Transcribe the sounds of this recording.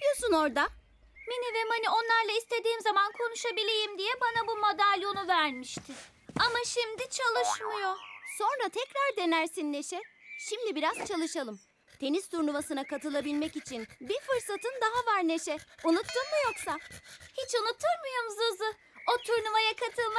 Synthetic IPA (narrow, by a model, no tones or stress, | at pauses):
pijosuno̞ɾd̪a | menivɛmanio̞nlˠaɾlˠaist̪ʰe̞d̪iːmzamankʰo̞nuʃabilʲejimd̪ijɛbanabumod̪alʲo̞nuvæɾmiʃt̪ʰɪ | amaʃimd̪it͡ʃʰalˠɯʃmɯjo̞so̞nɾat̪ʰɛcɾaɾd̪e̞næɾsinːe̞ʃɛʃimd̪ibiɾaz̥t͡ʃʰalˠɯʃalˠɯm | t̪ʰe̞niz̥t̪ʰuɾnuvasɯnakat̪ɯlˠabilʲmɛcit͡ʃʰinbifɯɾsat̪ʰɯnd̪aɦavaɾne̞ʃɛunut̪ːˠɯnmɯjo̞ksahit͡ʃunut̪ʰːɯɾmɯjomzɯzɯ | ot̪ʰuɾnuvajakʰat̪ʰɯlˠma